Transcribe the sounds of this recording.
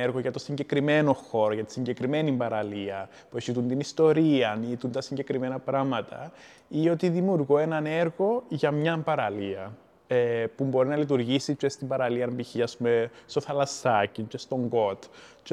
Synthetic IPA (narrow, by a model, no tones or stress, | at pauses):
eɾɣo̞ʝɐt̪o̞siɲɟe̞kɾime̞no̞xo̞ɾo̞ʝɐt̪i̥siɲɟe̞kɾime̞nimbɐɾɐliɐ | puesit̪unt̪inist̪o̞ɾiɐnit̪unt̪ɐsiɲɟe̞kɾime̞nɐpɾɐmɐt̪ɐ̰ | io̞t̪iðimjuɾɣoe̞nɐne̞ɾɣo̞ʝɐmɲɐmpɐɾɐliɐ | epumbo̞ɾinɐlit̪̬uɾʝisit͡ʃest̪imbɐɾɐliɐɾbiçiɐspumest̪o̞θɐlɐsɐcint͡ʃest̪o̞ŋɡo̞t̪t͡ʃ